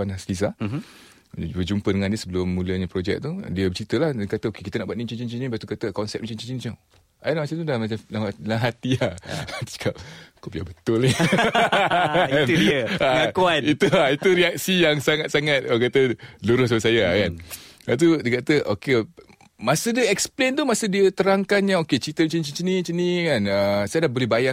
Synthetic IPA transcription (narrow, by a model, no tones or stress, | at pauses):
anaslis̬ah | bəd͡ʒumpədəŋãndiəsəbəlʊmːuləɲapɾod͡ʒɛ̰k̚t̪ṵdiəbət͡ʃit̪əlahəkat̪əokekit̪ənaʔbuat̪nit͡ʃint͡ʃint͡ʃiɲibaʔt̪ukat̪əkɔnsɛp̚mt͡ʃənt͡ʃid͡ʒint͡ʃaŋ | alamat͡ʃamt̪udamaalalaɦat̪iat̪u̥t͡ʃə̥kap̚kobiabət̪ʊli | udiəaakuait̪uait̪uɾiak̚sijaŋsaŋat̪̚saŋat̪̚akat̪əluɾʊsaəsajakanbat̪̬udiəkat̪əʔoke | masədiəɛksplent̪umasədiət̪əɾaŋkanɲãoket͡ʃit̪əmt͡ʃint͡ʃit͡ʃinĩt͡ʃinĩkanəsajadaʔbolɛhbaja